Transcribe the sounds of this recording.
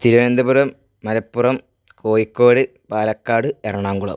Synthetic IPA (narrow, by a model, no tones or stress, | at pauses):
t̪iɾɐjend̪ɐburɐmː | ɐlɐpːurɐm | kʰo̞ːjikːoːɽɨ | paːlɐkːaːɽɨerɐɳaːŋɡuɭɐ̰